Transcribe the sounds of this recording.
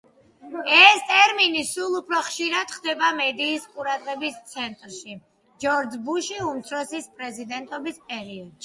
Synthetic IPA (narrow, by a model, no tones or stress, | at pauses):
ɛst̪ʼɛɾminisulˠupʰɾɔχʃiɾad̪̥χd̪ɛbamɛd̪iːsqʼuɾad̪ʁɛbist̪sʰɛnt̪ʼɾʃi | d͡ʒɔɾd͡ʒbuʃiumt̪sʰɾɔsispʼɾɛzid̪ɛnt̪ʼɔbispʼɛɾiɔd̪̥ʃi